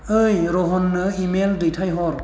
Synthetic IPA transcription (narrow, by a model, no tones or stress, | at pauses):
ɯjɾɔɦɔnːɯimeldɯjtʰajɦɔɾ